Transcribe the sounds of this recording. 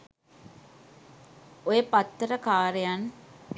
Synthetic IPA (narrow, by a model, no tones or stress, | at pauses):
ojəpat̪ːəɾəkaːɾejan